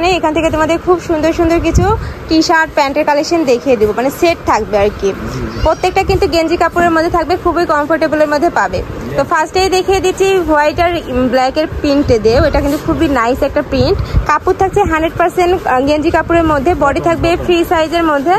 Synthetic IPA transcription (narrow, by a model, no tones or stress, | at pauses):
neekʰant̪ʰeket̪umad̪ʱekʰubʃund̪oɾʃund̪oɾk̬it͡ɕʰuʈiʃaɾɖ̚pɛɳʈeɾkalekʃond̪ekʰijed̪ibomaneseʈ̚t̪ʰak̚beaɾkipɾot̪ːek̚ʈakint̪uɡend͡ʑikapuɾeɾmod̪ʱːet̪ʰak̚bekʰubejkɔmfoɾʈebuleɾmod̪ʱːepabet̪ofasʈejd̪ekʰied̪it͡ɕʰiwajʈaɾblɛkeɾpiɳʈd̪eoeʈakint̪ukʰubinajsɛk̚ʈapiɳʈkaput̪ʰak̚t͡ɕʰeɦanɖɾeɖ̚paɾsenʈɡend͡ʑikapuɾeɾmod̪ʱːebɔɖit̪ʰak̚befɾisajd͡ʑeɾmod̪ʱːe